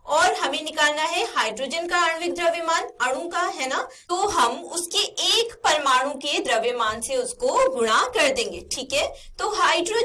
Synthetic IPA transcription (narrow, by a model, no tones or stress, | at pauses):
ɔːɾɦɐmẽnɪkaːlnaɦɛhaːɪɖɾoːd͡ʒənkaaːɳ̃ʋɪk̚d̪ɾɐʋɪmaːnɐɽ̃õkaɦɛːnat̪oːɦɐmʊskeeːkpɐɾmaːɽ̃ũked̪ɾɐʋemaːnseʊskoɡʊɽ̃akɐɾd̪ẽːŋɡeːʈʰiːkɦɛː | t̪oɦaːɪɖɾoː